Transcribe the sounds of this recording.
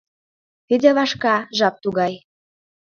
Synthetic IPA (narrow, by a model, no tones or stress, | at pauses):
t̪id̪ʲeβɑʃkɑʒɑp̚t̪uɣɑj